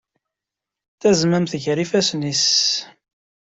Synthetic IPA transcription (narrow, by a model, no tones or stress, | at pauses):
θæzmæmθʝɾifæsnis